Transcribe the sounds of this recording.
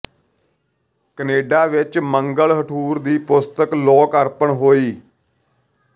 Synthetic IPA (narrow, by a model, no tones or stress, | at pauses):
kəneːɖaːʋɪt͡ʃməŋɡəɭɦəʈʰuːɾd̪iːpʊst̪əklɔːkəɾpəɳɦoːiː